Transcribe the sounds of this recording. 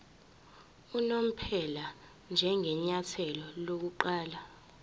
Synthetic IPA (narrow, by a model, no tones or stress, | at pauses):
unom̩pʰɛla | nd͡ʒʱɛŋʱɛɲatʰɛlɔlok̬uǃaːla